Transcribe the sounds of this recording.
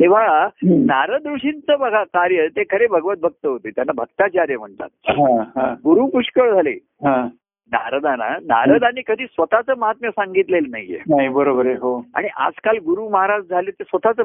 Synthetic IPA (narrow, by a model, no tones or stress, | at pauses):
t̪ẽʋ̤anaɾəd̪ɾuɕint͡səbəɡʱakaɾjət̪ekʰəɾebʱəɡʋət̪̚bʱək̚t̪əɦot̪eːt̪janːabʱəɡt̪at͡ɕaɾjəm̤əɳt̪a̰t̪̚ɦãɦãɡuɾuːpuʂkəɭd͡zʱalḛ | ɦã | na̰ɾəd̪ana̰na̰ɾəd̪aniːkəd̪ʱiːsʋət̪at͡səːməɦat̪mjəsaŋɡit̪lelna̰jḛnaɦibəɾobəɾeɦoa̰ɽ̃iʔa̰d͡zkalɡuɾuməɦaɾasd͡zʱaleːt̪esʋət̪at͡sə